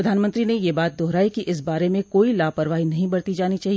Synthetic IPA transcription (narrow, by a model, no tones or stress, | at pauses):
ɾɐd̪ʱaːnmə̃nt̪ɾinejebaːt̪̚d̪ɔɦɾaːikiʔɪs̬baːɾemẽkoːilaːpɐɾʋaːɦinɐɦĩbɐɽt̪id͡ʒaːnit͡ʃaːɦi